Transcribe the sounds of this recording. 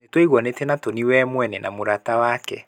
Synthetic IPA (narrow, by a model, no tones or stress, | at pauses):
etweiɣwɔnetenatoniwɛmwɛnɛna̰moɾatawakɛ